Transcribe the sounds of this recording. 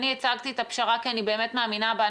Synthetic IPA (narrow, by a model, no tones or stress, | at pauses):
niet͡saɡt̪iet̪apʃaʁakianibe̞eːmet̪maːminaba